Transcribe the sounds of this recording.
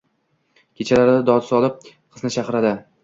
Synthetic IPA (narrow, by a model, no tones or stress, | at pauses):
kʲʰet͡ʃʰalaɾɪd̪ad̪ɒd̪sɒlˠɪp̚ | qʰɨ̥snɪt͡ʃʰaqɨɾad̪ɪ